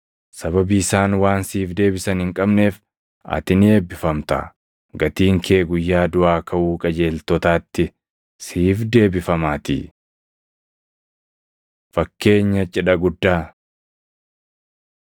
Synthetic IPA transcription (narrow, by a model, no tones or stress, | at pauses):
sɐbɐbiːsaːnwaːnsiːfd̪e̞ːbɪsɐnhɪŋkʼɐbne̞ːf | ɐ̰t̪ɪnɪeːbːɪfɐmt̪ɐ̰ | ɡɐt̪iːŋkʰe̞ːɡʊjːaːd̪ʊʔaːkʰɐʔuːkʼɐd͡ʒe̞ːlt̪ɔt̪aːt̪ːɪ | siːfd̪e̞ːbɪfɐmaːt̪ḭː | fɐkːe̞ːɲːɐt͡ʃʼɪᶑɐɡʊd̪ːaː